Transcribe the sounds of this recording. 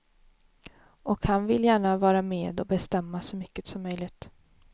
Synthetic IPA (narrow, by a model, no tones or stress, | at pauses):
ʔɔkhanvɪljæːɳavɑːɾameːd̪ɔbɛst̪ɛmːasɔmʏkːət̪sɔmːœjlɪt̪